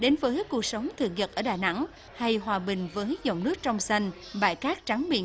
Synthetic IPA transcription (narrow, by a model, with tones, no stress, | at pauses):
ɗe˨˦nvəː˨˦jku˨˩ək̚sə˨˦wŋ͡mt̪ʰɨ̰˧˨˩ŋɲə˨˩t̚ʔəː˧˩ɗaː˨˩jna̰˧˥ŋ | ha˧jɦwaː˨˩ɓï˨˩ŋ̟vəː˨˦jzə̰˧˨wŋ͡mnɨ˦˥k̚t͡ɕɔ˧wŋ͡msa˧jŋ̟ | ɓa̰ː˧˨jkaː˦˥k̚t͡ɕa˨˦ŋɓḭ˧˨